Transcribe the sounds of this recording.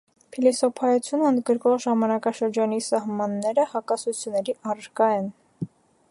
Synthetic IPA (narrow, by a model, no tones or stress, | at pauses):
pʰilisɔpʰɑjut͡sʰjunəənd̪ɡəɾkɔʁʒɑmɑnɑkɑʃəɾd͡ʒɑnisɑɦmɑnːɛɾəhɑkɑsut͡sʰjunːɛɾiʔɑrɾkɑɛn